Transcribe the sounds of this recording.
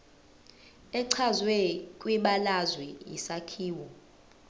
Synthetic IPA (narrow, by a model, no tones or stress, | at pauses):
ɛǀʰazwɛkʼwiɓalazwɛḭsakʰiːwɔ